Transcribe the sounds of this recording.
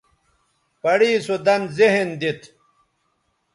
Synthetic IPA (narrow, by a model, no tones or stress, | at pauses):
pɐɽiːsud̪ɐnzeɦend̪it̪